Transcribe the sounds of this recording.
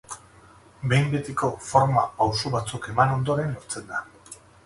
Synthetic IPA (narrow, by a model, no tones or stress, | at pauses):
be̞jmbe̞t̪iko̞foɾma̰pawsoβat͡suke̞mano̞nd̪o̞ɾe̞noɾt͡se̞nd̪a